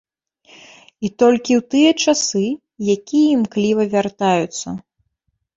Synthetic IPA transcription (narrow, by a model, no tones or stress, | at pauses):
it̪ɔlʲkʲiwt̪ɨjɐt͡ʂasɨ | jakʲijɐimklʲivɐvʲart̪ajut̪sːɐ